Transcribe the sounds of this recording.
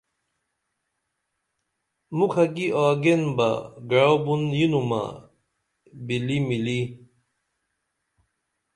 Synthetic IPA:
mukʰɐɡiaːɡenba̰ɡɐɻobunjinuma̰ | bilimili

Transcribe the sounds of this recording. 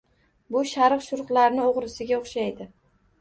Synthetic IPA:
bʊʃaɾqʃʊɾqlˠaɾnɪoʁɾɪsɪɡʲaoχʃajd̪ɪ

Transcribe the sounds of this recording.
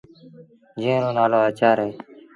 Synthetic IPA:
d͡ʒẽːɾõːnaːloːaːt͡ʃaːɾeː

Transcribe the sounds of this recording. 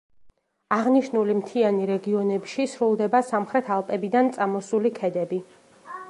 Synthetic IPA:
aʁniʃnulimt̪ʰianiɾɛɡiɔnɛpʃisɾulˠd̪ɛbasamχɾɛt̪ʰalˠpʼɛbid̪ant̪sʼamɔsulikʰɛd̪ɛbi

